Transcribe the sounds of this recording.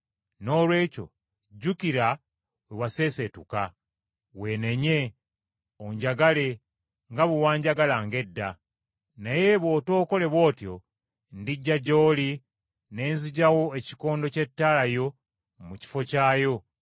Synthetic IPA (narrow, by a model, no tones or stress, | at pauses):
no̞ːlwe̞ːco̞̰ | ɟːukiɾa | wewase̞ːse̞tuka | we̞ːneɲe̞ | oɲɟaɡale̞ | ŋɡaβuwaːɲɟaɡalaŋɡe̞dːa | naje̞βo̞ːto̞ːko̞le̞βwo̞ːtjo̞ | ndiɟːaɟo̞ːli | ne̞ːnziɟawo̞eci̥ko̞ːndo̞ce̞tːalajo̞ | muci̥fo̞caːjo̞